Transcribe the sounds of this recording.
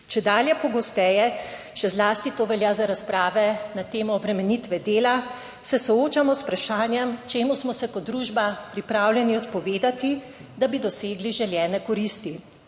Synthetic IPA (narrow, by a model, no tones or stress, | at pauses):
t͡ʃɛd̪aːljɛpɔɡɔst̪ɛːjɛ | ʃɛzlaːst̪it̪oːʋɛljaːzaɾaspɾaːʋɛnat̪eːmɔːbɾɛmɛnit̪ʋɛd̪eːla | sɛsɔoːt͡ʃamɔspɾaʃaːnjɛmt͡ʃeːmusmɔsɛkɔd̪ɾuːʒbapɾipɾaːwljɛniɔt̪pɔʋeːd̪at̪i | d̪abid̪ɔseːɡliʒɛljɛːnɛkɔɾiːst̪i